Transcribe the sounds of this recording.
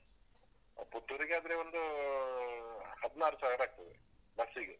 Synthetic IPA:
ɐ̰put̪ːuɾiɡeaːd̪ɐɾeʋond̪u | hɐd̪naːɾsaːɡɽaːk̚t̪ɐd̪e | bɐsiɡe

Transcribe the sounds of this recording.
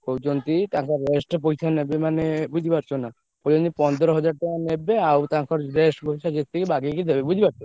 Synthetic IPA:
kowd͡ʒont̪it̪aŋkʰɔɾɾesʈpojt͡ʃʰanebemanebud͡ʒʱibaɾt͡ʃʰona | pod͡ʒont̪ipɔnd̪ɔɾɔɦɔd͡ʒaɾʈakanebeawt̪aŋkʰɔɾɾesʈpojt͡ʃʰad͡ʒest̪ʰikibaɡikid̪ʱebebud͡ʑʱibaɾt͡ʃʰo

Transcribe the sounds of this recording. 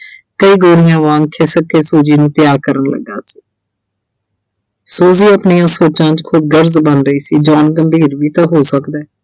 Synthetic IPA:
kəiːɡoːɾɪjãːʋãːŋkʰeːsəkeːsuːd͡ʒiːnũːt̪ɪjaːɾkəɾənlə̰ɡːa̰ːsi̥ː | soːziːəpnɪjãːsoːt͡ʃãːt͡ʃkʰʊd̪̚ɡəɾzbənɾəiːsiːd͡ʒɔːnɡəmbʱiːɾʋiːt̪ãːɦoːsəkd̪ɛː

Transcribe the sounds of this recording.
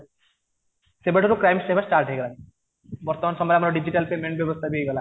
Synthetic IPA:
sebeʈoɾokɾajmsebasʈaɾʈɦejɡɔla | bɔɾt̪ɔmansɔmbaɾamaɾɔɖid͡ʑiʈalpemeɳʈbjɔbɔst̪ʰabiejɡɔla

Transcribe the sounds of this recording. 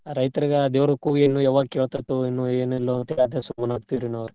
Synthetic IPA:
ɾɐjt̪ɐɾiɡɐd̪eːʋɾɐukuːɡenːuːjɛʋaːɡkeːɭt̪ɐjt̪uinːueːnilːoɐnt̪eɐd̪esumːɐnaːɡ̚t̪iɾinɐʋɐɾu

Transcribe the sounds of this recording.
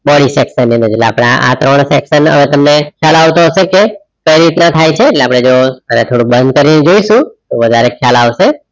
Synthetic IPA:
bɔɽisɛksənened͡ʒlea̰pɽ̃aʔa̰t̪ɾəɳseksənə̰ʋet̪əmnekʰjalaʋt̪oɦəʃeke | kəjɾit̪nat̪ʰajt͡ʃʰeːʈleapɽ̃ed͡ʒoənet̪ʰoɽũbə̃nd̪̚kəɾined͡ʒoiʃũt̪oʋəd̪ʱaɾekʰjalaʋʃe

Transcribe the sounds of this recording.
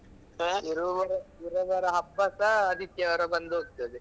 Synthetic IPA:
iɾuʋɐɾɐiɾɐʋɐɾɐɦɐpːɐsɐːd̪ʱik̪jɐʋɐɾɐbɐnd̪uoːɡ̚t̪ɐd̪i

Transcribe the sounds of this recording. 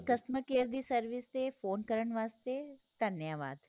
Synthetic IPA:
kəsməkeːɾd̪iːsəɾʋɪst̪efʰoːnkəɾəɳ̃ʋaːst̪et̪ənjaːʋa̰ːd̪

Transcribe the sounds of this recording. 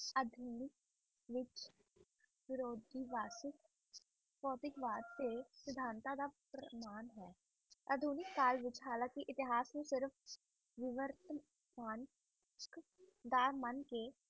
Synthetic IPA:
əd̪ʱuːnɪk̚ | ʋɪt͡ʃ | ʋɪɾoːd̪ʱiːʋaːsɪk | pɔːt̪ɪkʋaːd̪̚t̪eːsɪd̪ʱãːnt̪ãːd̪aːpɾəmaːnɦɛː | əd̪ʱuːnɪkːaːlʋɪt͡ʃɦaːlãːkiʔɪt̪ɪɦaːsnũːsɪɾəfʰ | ʋɪʋəɾt̪ | maːn | kd̪aːɾmənkeː

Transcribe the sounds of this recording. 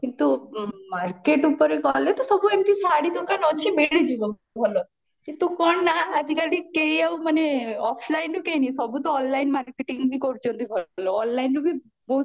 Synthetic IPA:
kint̪umaɾkeʈupəɾekɔlet̪ɔsɔbʱuemt̪ʰisaɽit̪ukanɔt͡ʃʰimeɭid͡ʒu | bʱɔlo | kint̪ukɔɳnaːd͡ʒikalikeiaũməneɔpʰlainːũkenisɔbʱut̪ɔɔnlainmaɾkeʈiŋɡbʱikɔɾt͡ʃʰũnt̪ibʱɔloːnlainːũbʱi | boɦu

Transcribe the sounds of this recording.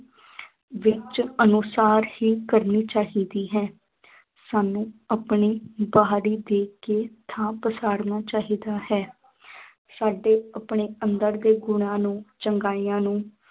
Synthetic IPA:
ʋɪt͡ʃənʊsaːɾhiːkəɾniːt͡ʃaːɦiːd̪iːɦɛ̃ː | saːnũːapɳiːbaːɦɾiːd̪eːkeːt̪ʰãːpəsaːɾnaːt͡ʃaːɦiːd̪aːhɛː | saːɖeːəpɳeːənd̪əɾd̪eːɡʊɳ̃ãːnũːt͡ʃəŋɡaːiːãːnũː

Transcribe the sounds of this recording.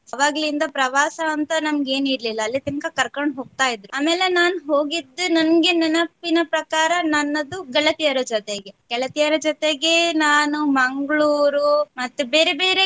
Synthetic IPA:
ɐʋaːɡɐlind̪ɐpɾɐʋaːsɐːnt̪ɐnɐmɐɡe̞ːniɾlilːɐːlːit̪iŋkɐkɐɾkoɳɖɦo̞ːɡ̚t̪aːjid̪ɾuaːmeːlenaːnuɦo̞ːɡid̪ːunɐnɡenɐnɐpːinɐpɾɐkaːɾɐnɐnːɐd̪uɡɐɭɐt̪ijɐɾɐd͡ʒɔt̪eɡe̞ɡɛɭɐt̪ijɐɾɐd͡ʒɔt̪eɡenaːnumɐŋɡɭuːɾumɐt̪ːubeːɾebe̞ːɾe

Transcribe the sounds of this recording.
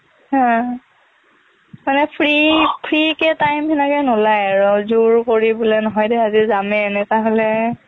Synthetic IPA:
hã | manɛpʰɹipʰɹikɛtajmʰɛnakɛnɔlajaɹɔzuɹkoɹibɔlɛnɔɦɔjdɛazizamɛnɛtaɦɔlɛ

